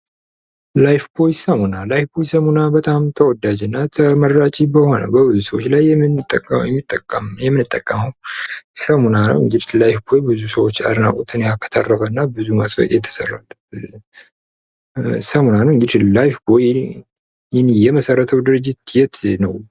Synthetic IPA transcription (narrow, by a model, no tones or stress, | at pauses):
lajfbojsəmunalajfbojsəmunabət̪ʼamt̪ʰəwɔd̪ad͡ʒɨnːat̪ʰəməɾːat͡ʃʼibəho̞nə̰wbəbɨzusəwot͡ʃːlajːɛmɨnt̪ʼːəkʼːəɛmːit̪ʼːəkʼːəmjɛmːɨnɨt̪ʼːəkʼːəməwsəmunanə̰wɨŋɡɨd̪ilajfbo̞jbɨzusəwot͡ʃːa̰d̪ɨna̰kʼut̪ʰɨnjakʰːə̥t̪ʰa̰rːəfənːabɨzumasə̰ʔjɛt̪ʰə̥sərːa̰t̪ | səmunanəwɨŋɡɨd̪ilajfboj | jhnjɛməsərːət̪ʰəwd̪ɨɾɨd͡ʒːɪt̪jɛt̪nəw